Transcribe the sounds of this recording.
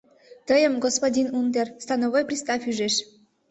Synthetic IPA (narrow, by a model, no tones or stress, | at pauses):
t̪əjəmɡospodʲinund̪erst̪ɑnovojpɾʲist̪ɑfyʒeʃ